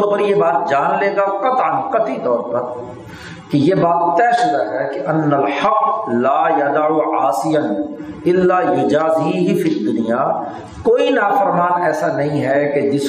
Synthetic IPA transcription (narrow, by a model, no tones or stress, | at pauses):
opəɾjebaːt̪̚d͡ʒaːnleːɡaqɐt̪ənqɐt̪it̪ɔːɾpɐɾ | kejeːbaːt̪ːɛːʃʊd̪aɦɛkeʔɐnːəlħɐqlaːjɐd̪aʕuʕaːsɪjɐnɪlːaːjʊd͡ʒaːzɦiɦifid̪ʊnijaː | koːinaːfəɾmaːnɛːsanɐɦĩɦɛked͡ʒɪs